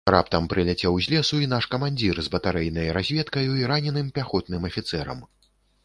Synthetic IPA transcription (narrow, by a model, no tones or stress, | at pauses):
ra̰pt̪ɐmpɾɨlʲat͡sʲɛwzʲlʲɛsuin̪aʂkɐmanʲd͡zʲirzbɐt̪aɾɛjnɐjɾazʲvʲɛt̪kɐjuiɾanʲɛnɨmpʲaxɔt̪̚nɨmɐfʲit̪sɛɾɐ̰m